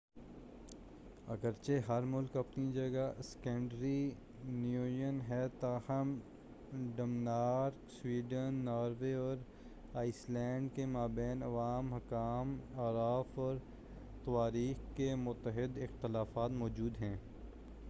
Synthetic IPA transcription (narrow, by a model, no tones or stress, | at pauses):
ɐ̰ɡəɾt͡ʃeɦɐɾmʊlkɐpnid͡ʒɐɡaskɛ̃ːɳɖɾi | njuːjənɦɛt̪ahɐm | ɖɐmnaːɾkswiːɖənːaːɾʋeɔːɾ | aːɪslɛ̃ːɳɖkemaːbɛːnɐʋaːmɦɐkaːmaːɾaːfɔːɾ | t̪ɐʋaːɾiːxkemʊt̪ːəɦɪd̪ɪxt̪ɪlaːfaːt̪mɔːd͡ʒuːd̪ɦɛ̃ː